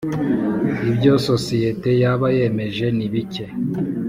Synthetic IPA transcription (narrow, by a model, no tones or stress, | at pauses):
ibɟososijete̞jaβaje̞me̞ʒe̞niβice